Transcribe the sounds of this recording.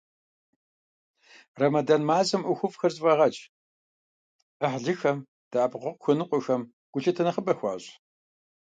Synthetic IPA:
rɐmɐdanmaːzɐmʔʊxʷʊfʼxɐrzʼvɐʁɐt͡ʃʼ | əħɮɨxɐm | d̥aːpʁʊqʷʊxʷɨnɨqʷʊxɐm | ɡ̥ʷʊɬɐtʰɐnɐχəbɐxʷɑ̰ːɕ

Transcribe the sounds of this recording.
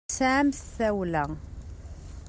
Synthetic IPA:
saʕmθθæwlæ

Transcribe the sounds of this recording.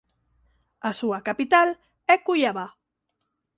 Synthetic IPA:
asuakapit̪al | ɛkuʎaβa

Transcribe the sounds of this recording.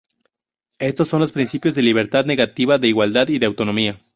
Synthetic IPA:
e̞st̪o̞sːo̞nlo̞spɾinsipjo̞zðe̞liβ̞e̞ɾt̪aðne̞ɣat̪iβaðe̞iɣwald̪aðiðeawt̪o̞nomia

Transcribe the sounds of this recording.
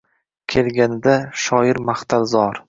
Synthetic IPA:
kʲʰe̞lɡʲanɪd̪aʃɒjɪɾmaχt̪ʰalzɒɾ

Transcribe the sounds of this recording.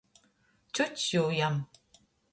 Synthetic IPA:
t͡ʃut͡ʃːujam

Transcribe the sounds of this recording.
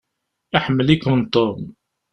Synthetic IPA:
aħmːəlikənt̪ˤom

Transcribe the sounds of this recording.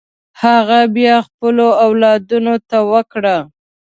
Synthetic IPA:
haɣabjɑxpəloawlɑd̪unot̪awəkɽa

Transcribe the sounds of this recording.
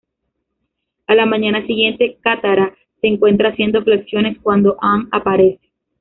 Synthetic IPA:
alamãɲanasiɣje̞nt̪e̞kat̪aɾa | se̞ːŋkwe̞nt̪ɾaːsje̞nd̪o̞fleksjo̞ne̞skwand̪o̞ʔaŋapaɾe̞se̥

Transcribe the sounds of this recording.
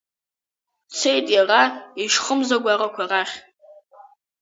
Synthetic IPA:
t͡sʰe̞jtʼjaraiʂχəmzaɡʷarakʷʰaraχʲ

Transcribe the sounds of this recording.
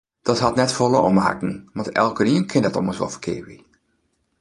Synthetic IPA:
d̥ɔthɑtnɛtfolˠəɔmha̰kŋ̩ʋɑntɛ̰lˠkəɾiənkʰɪndɔtɔ̰məsʋɔ̰lˠfərkʰɪ̰ːʋi

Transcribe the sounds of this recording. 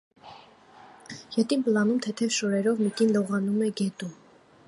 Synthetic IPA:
jɛt̪inplɑnumt̪ʰɛt̪ʰɛvʃɔɾɛɾɔvmikinlɔʁɑnumɛɡɛt̪um

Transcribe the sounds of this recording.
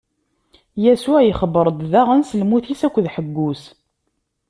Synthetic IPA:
jæsuʕjəχəbəɾˤd̪ðaʁənsəlmuθisækʷːðħəɡːus

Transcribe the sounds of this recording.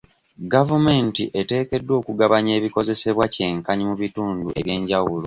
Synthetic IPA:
ɡavume̞ntiʔe̞te̞ːke̞dːwo̞ːkuɡaβaɲe̞ːβiko̞ze̞se̞βwace̞ːŋkaɲimuβituːnduʔe̞βje̞ːɲɟawulo̞

